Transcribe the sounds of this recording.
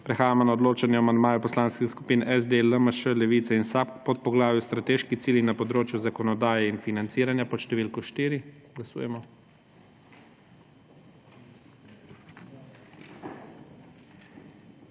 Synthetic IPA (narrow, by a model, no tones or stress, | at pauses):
pɾɛxaːjamɔnaɔd̪loːt͡ʃanjɛamand̪maːjɛpɔslaːnskixskupiːnʔɛzd̪eləməʃəlɛʋiːt̪sɛinsappɔt̪̚pɔɡlaːʋjust̪ɾat̪eːʃkixt̪iːlixnapɔd̪ɾoːt͡ʃjuzakɔnɔd̪aːjɛinfinant̪siːɾanjapɔʃt̪ɛʋiːlkɔʃt̪iːɾi | ɡlasṵjɛmɔ